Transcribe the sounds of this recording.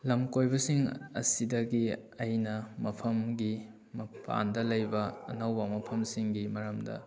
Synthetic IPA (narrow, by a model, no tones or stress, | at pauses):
lɐmkojbɐsiŋɐ̰sidɐɡiɐjnɐmɐpʰɐmɡi | mɐpʰa̰ndɐlɐjbɐ̰ːnɐwbɐmɐpʰɐmsiŋɡimɐɾɐmdɐ̰